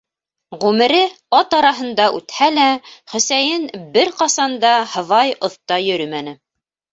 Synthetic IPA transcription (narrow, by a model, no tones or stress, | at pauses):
ʁʉmɘ̆ɾɘ | ɑt̪ɑɾɑɦɤ̆nd̪ɑʔʉ̰t̪hælæχɵ̆sæjɘnbɘɾqɑsɑnd̪ɑhɤ̆ðɑjŏθt̪ɑjɵ̆ɾɵmænɘ